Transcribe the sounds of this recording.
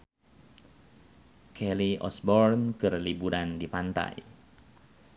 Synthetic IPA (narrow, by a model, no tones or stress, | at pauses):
kʰɛliʔɔ̰sbɔrnkɨrlibuɾandipant̪a̰j